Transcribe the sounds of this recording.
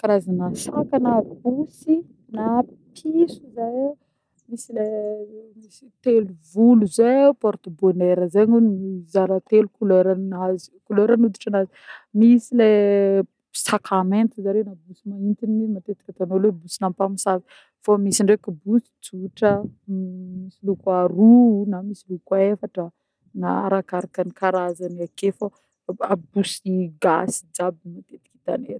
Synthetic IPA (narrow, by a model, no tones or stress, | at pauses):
kaɾazanasakanabusi | napʰisuzaj | misilemisit̪eluvuluzepɔɾt̪oboneɾəzeɲunzaɾat̪elukuløɾanazi̥kuløɾanud̪i̥ʈ͡ʂanazi̥misile | sakament̪izaɾenabusimaint̪ininat̪et̪i̥kʲat̪anolebusinampamisazi̥ | famisiɳɖ͡ʐekubusi̥t͡suʈ͡ʂə | misilukaɾunamisilukefaʈ͡ʂə | naɾakaɾakanikaɾazanakefa | abusiɡasi̥d͡ʒab̚nat̪et̪i̥ki̥t̪ane